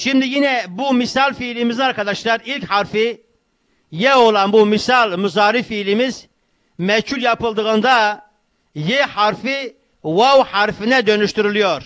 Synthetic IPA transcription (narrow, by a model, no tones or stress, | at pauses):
ʃimd̪ijinɛbumisɑlˠfilimizinaɑɾkɑd̪ɑʃlˠɑɾilchɑɾfi | jɛo̞lˠɑnbumisɑlˠmyzɑːɾifilimiz | mɛcʰuljɑpɯlˠd̪ɯɣɯnd̪ɑ | jehɑɾfi | wawhɑɾfinɛd̪ø̞nyʃt̪yɾylijoɾ